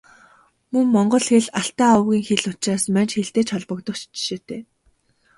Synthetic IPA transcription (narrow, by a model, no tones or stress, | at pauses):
mɵŋmɔɴɢɞ̆ɮxeɮaɬt̪aːɔwɣʲiːŋxeɮʊt͡ɕaːsmant͡ɕxeɬt̪eːt͡ɕʰɔɮpɞ̆kt̪ɞ̆t͡ɕt͡ɕʃeːt̪ʰeː